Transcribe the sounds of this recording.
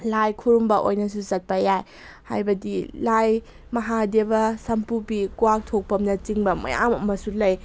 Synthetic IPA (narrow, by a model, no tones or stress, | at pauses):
lajkʰuɾumbɐʔojnɐsuzɐt̚pɐjaj | ha̰jbɐdilaj | mɐɦadebɐsɐmpupikuwak̚tʰok̚pɐmnɐt͡ʃiŋbɐmɐ̰ja̰mɐmɐsulɐj